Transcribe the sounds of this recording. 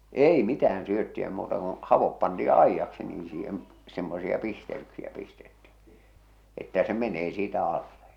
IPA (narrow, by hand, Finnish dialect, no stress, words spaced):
ei mitææn syøtːiæ muːtɑ kõː hɑʋop pɑntiː ɑijːɑksi niː siːhem semːosiɑ pistel̞yksiæ pistetːi etːæ se meneː siːtæ ɑlːe